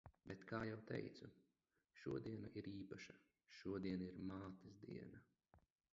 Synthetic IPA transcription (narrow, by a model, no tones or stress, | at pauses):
bʲɛt̪kʰaːjawt̪ɛ̰jt̪su | ʃṵɔd̪iɛnaʔiɾiːpaʃa | ʃuɔd̪iɛnaiɾmaːt̪izd̪ḭɛna